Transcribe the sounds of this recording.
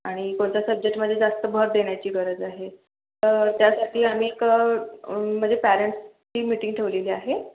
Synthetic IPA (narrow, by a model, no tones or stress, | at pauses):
aɽ̃ikoɳt͡ɕ̪jasəb̚d͡ʑek̚ʈməd̪ʱjed͡zast̪əbʱəɦət̪̚d̪eɽ̃jat͡ɕiːɡəɾəd͡zaɦe | t̪əɾt̪jasaʈʰiːam̤iːk | m̤əɳd͡zepæɾeɳʈst͡ɕiːmiʈiŋɡʈʰeʋleliːaɦe